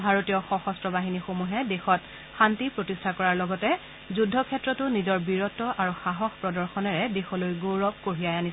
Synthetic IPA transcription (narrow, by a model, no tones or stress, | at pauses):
bʱaɹotijɔxɔxɔstɹɔbaɦinixomuɦɛdexɔt | xantipɹotistʰakɔɹaɹlɔɡɔtɛ | zudʱːɔkʰɛtːɹɔtʊnizɔɹbiɹɔtːɔʔaɹuxaɦɔxpɹɔdɔɹxɔnɛɹɛdexɔlojɡoɹɔb̚koɹiajani